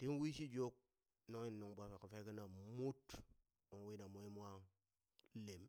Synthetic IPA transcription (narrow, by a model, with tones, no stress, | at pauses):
ti˦nwi˦ʃi˦d͡ʒo˦k̚ | no˦ŋi˦˨nːo˨ŋba˨fe˨ku˨fe˦ki˦na˨mu˦t | o˨ŋ˨wi˦na˨mo˦i˦m˦a˦ŋ˦ | le˨m